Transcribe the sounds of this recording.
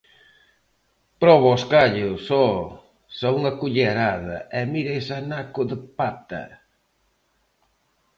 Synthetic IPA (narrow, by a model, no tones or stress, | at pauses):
pɾɔβoskaʎʊsɔ | sɔuŋɐkuʎeɾaðɐ̰ɛmiɾejsanakʊðɪpat̪ɐ̰